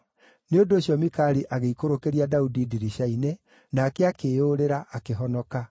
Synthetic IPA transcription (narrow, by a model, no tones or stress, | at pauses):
neondoːɕjɔmikaɾiʔaɣeikoɾokeɾiadaudidiɾiʃaine | naːkeakeoɾeɾaʔakeɦɔnɔka